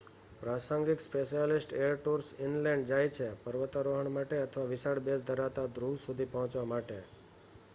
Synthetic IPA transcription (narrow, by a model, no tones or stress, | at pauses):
pɾasəŋɡikspeʃijalɪsʈeəɾʈuɾsɪnlɛ̃ɳɖd͡ʒajt͡ʃʰepəɾʋət̪aɾoɦəɳmaʈeət̪ʰəʋaʋɪsaɽbesd̪ʱəɾat̪ad̪ɾusud̪ʱipəɦɔ̃t͡ʃʋamaʈe